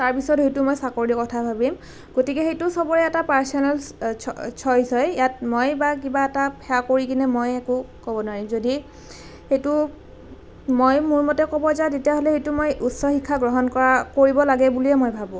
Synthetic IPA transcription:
taɹpisɔtɦejtʊmojsakoɹikɔtʰabʱabim | ɡ̥otikɛxejtʊsɔbɔɹɛɛtapaɹsɔnɛl | t͡ʃʰɔjzɔjijat̚mojbakibaɛtapʰɛakoɹikinɛmojɛkʊkɔbɔnwaɹimzodi | xejtʊ | mojmuɹmɔtɛkɔbɔzatetijaɦɔlɛhejtʊmojʔutsɔxikʰːaɡɹɔɦɔnkɔɹakoɹibɔlaɡɛbuliɛmojbʱabũ

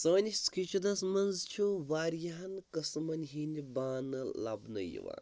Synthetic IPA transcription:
səːnʲiskit͡ʃʰud̪ɐsmɐnzt͡ʃʰuʋaːɾjaɦɐnkɐsmɐnʲɦinibaːnɨla̰bnɐ̰jḭʋa̰ː

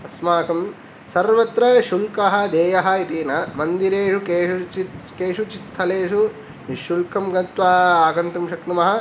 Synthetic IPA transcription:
ɐsmaːkɐm | sɐɾʋɐt̪ɾɐʃulkɐɦɐ̆d̪eːjɐɦɐ̆it̪iːnɐmɐnd̪iɾeːʃuket͡ʃi | keːʂut͡ʃist̪ʰɐleːʂu | ʋiʃːulkɐmɡɐt̪ʋaːaːɡɐnt̪ɐmʃɐknumɐɦɐ̆

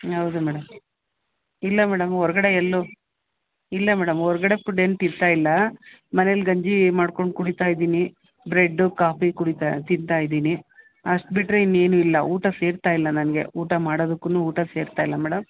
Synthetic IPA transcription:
ɦɐwd̪umɛːɽɐm | ilːɐmɛːɽɐmɦɔɾɐɡɐɽe̞elːu | ilːɐmɛːɽɐmɔɾɐɡɐɽe̞fuɖenʈint̪aːjilːɐ | mɐnelɡɐɲd͡ʒimaːɽko̞ɳɖ̚kuɽit̪aːjd̪iːni | bɾe̞ɖːukaːpikuɽit̪at̪int̪aːjd̪iːni | ɐʂʈ̚biʈːɾeinːe̞ːnuilːɐuːʈɐse̞ːɾt̪aːjilːɐnɐnɐɡe̞̰uːʈɐmaːɽoːd̪ukːunuːuːʈɐse̞ːɾt̪aːjilːɐmɛːɽɐm

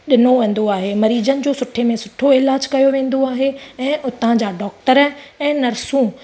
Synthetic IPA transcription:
ɗɪnoʋẽːn̆d̪oaːɦemɐɾiːd͡ʑənɪ̆d͡ʑoːsʊʈʰemẽsʊʈʰoɪlaːd͡ʑkɐjoʋẽːn̆d̪oaːɦeɛ̃ːʔʊt̪ə̃d͡ʑaːɖɔːk̚ʈəɾɛ̃ːnɐɾsũː

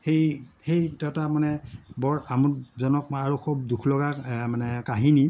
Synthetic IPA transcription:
xejhejtɔtamanɛbɔɹamutzɔnɔk̚aɹukʰub̚dukʰlɔɡamanɛkaɦini

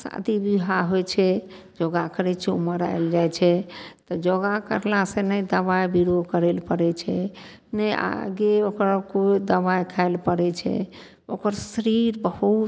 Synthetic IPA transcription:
sa̰d̪ibiɦaɦojt͡ʃʰɛ | d͡ʒoɡakəɾɛt͡ʃʰɛṵməɾa̰eld͡ʒajt͡ʃʰɛt̪ɔd͡ʒɔɡakə̰ɾlasenəjd̪əβajbiɾokəɾelpəɾɛt͡ʃʰɛ | nəjʔa̰ɡeokɾəkod̪əbajkʰaelpəɾɛt͡ʃʰɛ̰ | okəɾsəɾiɾbəɦu

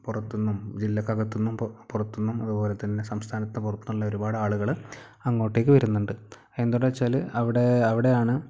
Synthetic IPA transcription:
purɐt̪ːunːumd͡ʑilːɐkːɐɣɐt̪ːunːumpurɐt̪ːunːumɐðubo̞ːle̞t̪ːɐnːe̞sɐmst̪ʰaːnɐt̪ːepurɐt̪ːunːuɭːɐo̞ɾubaːɽɨaːɭuɣɐɭ | ɐŋːo̞ːʈːeːkːɨʋɐɾunːuɳɖɨ | end̪uɽɐt͡ɕːaːlɨɐʋiɽe̞ɐʋiɽe̞jaːɳɨ

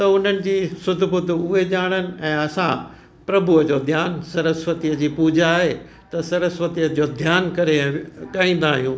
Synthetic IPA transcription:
t̪ɐʊn̤ənɪ̆d͡ʑiːsʊd̪ʱbʊt̪ʊɦeʄaːɽ̃ənɪ̆ɛ̃ːɐsã̰ | pɾɐbʱʊəd͡ʑoːd̪ʱjaːnsɐɾəsʋət̪ijəd͡ʑiːpuːd͡ʑaːɦe | t̪ɐsɐɾəsʋət̪ijəd͡ʑoːd̪ʱjaːnkɐɾeɠaːĩːn̆d̪aːɦijũː

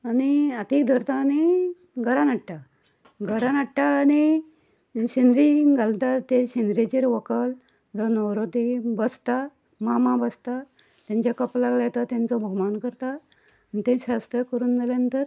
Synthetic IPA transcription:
aniət̪iːkd̪ʱəɾt̪aːni | ɡʱəɾanaʈʈa | ɡʱəɾanaʈʈaːni | ɕind̪ɾiɡʱalt̪at̪eɕind̪ɾet͡ɕeɾʋəkəl | d͡zɔnəwɾot̪ibəst̪a | mamãbəst̪a | t̪jãɲt͡ɕjakəplaɡlajet̪at̪jãnt͡sɔbʱɔmankəɾt̪aː | nit̪ẽɕast̪ɾəkəɾuːnd͡zalãnt̪əɾ

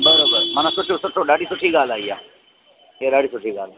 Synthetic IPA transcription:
bəɾobəɾmɐnasʊʈʰusʊʈʰoɖaːɽisʊʈʰiɡaːlaːija̰ː | jeɖaːɽisʊʈʰiɡaːla

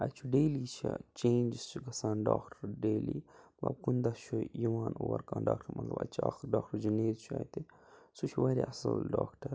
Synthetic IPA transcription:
ɐt͡ʃʰuɖeːliːt͡ʃʰḭt͡ʃẽːnd͡ʒist͡ʃʰuɡɐsaːnɖaːkʈɐɾɖeːli | ɐb̚kund̪ɐt͡ʃʰujuʋaːnoːɐɾkaːnɖaːkʈʰɐɾmʔɐt̪lɐ̰bɐt͡ʃʰuaːxɾɖaːk̚ʈɐɾd͡ʒineːzt͡ʃʰa̰ːjt̪i | sut͡ʃʰuʋaːɾʲḭɐsɐlɖaːkʈɐɾ

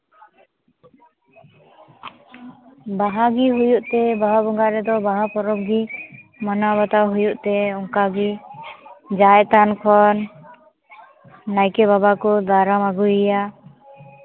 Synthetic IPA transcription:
baɦaɡiɦujuʔt̪ɛbaɦabɔŋɡaɾɛd̪ɔbaɦapɔɾɔb̚ɡimənabat̪awɦujuʔt̪ɛɔŋkaɡi | d͡ʒajt̪ankʰɔn | ajkɛβabakɔd̪aɾamaɡujija

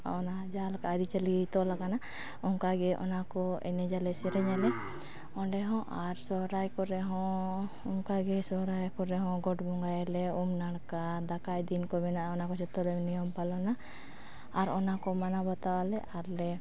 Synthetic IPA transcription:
ɔnad͡ʒalkaaɾit͡ʃalit̪ɔlaɡana | ɔŋkaɡɛʔɔ̰nakɔɛ̰nɛd͡ʒalɛsɛɾɛɲalɛ | ɔɖɛɦɔ̃ʔaɾsɔɦɾajkɔɾɛɦɔ̃ | ɔŋkaɡɛsɔɾajkɔɾɛɦɔ̃ɡɔʈbɔŋɡajalɛumnaɽkad̪akajd̪inkɔmɛnaʔaɔnakɔt͡ʃɔt̪ɔlɛmnijɔmpalɔnaː | ɾɔnakɔmanabat̪awalɛʔaɾlɛ

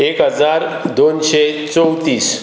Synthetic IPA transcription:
ekɦəd͡zaɾd̪onɕet͡sɔwt̪iːs

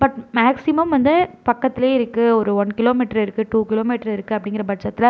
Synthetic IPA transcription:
bɐʈmaːksɪmɐmʋɐnd̪ɯpɐkːɐt̪ːɪleːɪɾɯkːɯɔɾɯʋɔnkɪloːmɪːʈːɐɾɪɾɯkːɯʈuːkɪloːmiːʈːɐɾɪɾɯkːɯɐpːɐɽɪŋɡɪɾɐbɐʈt͡ʃːɐt̪ːɪlɐ

